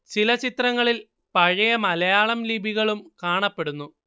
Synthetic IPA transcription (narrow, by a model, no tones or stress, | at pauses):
t͡ɕilɐt͡ɕit̪rɐŋːɐɭil | pɐɻɐjɐmɐlɐjaːɭɐmlibʱiɣɐɭumkaːɳɐpːe̞ɽunːu